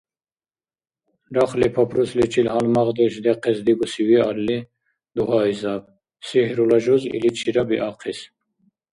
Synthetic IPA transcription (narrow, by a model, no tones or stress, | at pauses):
ɾaχlipʰɔpʰɾuslit͡ʃʰilhalmaʁd̪ɛʃd̪ɛqʰɛsd̪iɡusiwialːi | d̪uɦaizab | sihɾulaʒɔzḭlit͡ʃʰiɾabiʔaqʰis